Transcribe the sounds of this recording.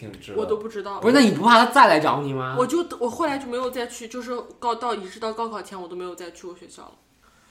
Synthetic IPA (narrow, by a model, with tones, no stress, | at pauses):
wɔ˨˩t̪o˥ʊpu˥˩ʈ͡ʂɻ̩˥t̪ɑ˥˩ʊu˧˥na˥˩ni˨˩p̪u˧˥pʰa˥˩t̪ʰa˥t͡sa˥˩ɪla˧˥ɪʈ͡ʂɑ˧˥ʊni˨˩mɐ˦wɔ˨˩t͡ɕjo˥˧ʊwɔ˨˩xo˥˩ʊla˧˥ɪt͡ɕjm˧˥ɪjo˨˩ʊt͡sa˥˧ɪt͡ɕʰy˥˧t͡ɕjo˥˧ʂ̬ɻ̩˥˩kɑ˥˧ʊt̪ɑ˥˩ʊi˨˩ʂɻ̩˥˧t̪ɑ˥˧ʊkɑ˥ʊkʰɑ˨˩ʊt͡ɕʰɛ˧˥nwt̪o˥ʊm˧˥ɪjt͡sɪt͡ɕʰy˥˩wɕɥɛ˧˥ɕjɑ̰˥˩ʊlə̰˩